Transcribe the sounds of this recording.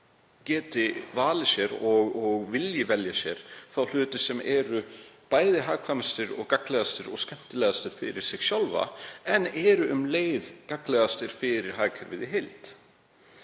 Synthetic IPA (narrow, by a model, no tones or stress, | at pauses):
cɛːt̪ɪvaːlɪsjɛɾɔɣɔɣvɪljɪvɛljasjɛɾ̥θawl̥ʏːt̪ɪsɛmʔɛɾʏpaːjðɪɦaːɣkʰvaːmast̪ɪɾɔ̰ɣkaklɛðast̪ɪɾɔɣscɛm̥t̪ɪlɛːɣðast̪ɪɾ̥fɪ̰ɾɪɾ̥sɪɣsjawlva̰ɛnːɛɾʏʔʏmleːjðkaklɛːɣðast̪ɪɾ̥fɪɾɪɾ̥ɦaːɣcʰœɾvɪðɪɦejlt̪